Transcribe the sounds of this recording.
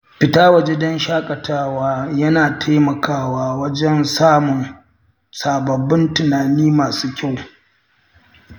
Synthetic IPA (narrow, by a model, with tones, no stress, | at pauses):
ɸɪ˨taː˦wɐ˦d͡ʒe˦dɔ˦nʃaː˦kʼɐ˨tʰaː˦waː˦jɐ˦naː˨tʰaː˦mɐ˨kaː˦waː˦wɐ˦d͡ʒɛ˦nsaː˦mʊ˨n | saː˨bɐ˨bɪ˦ntʊ˨naː˨niː˦maː˨suː˦kʲa˦˨w